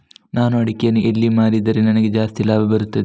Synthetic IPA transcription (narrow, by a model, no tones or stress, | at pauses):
naːnuɐɽikʲːijɐnuʔelːimaːɾid̪ɐɾenɐnɐɡed͡ʒaːst̪ilːaːbɐbɐɾut̪ːɐd̪e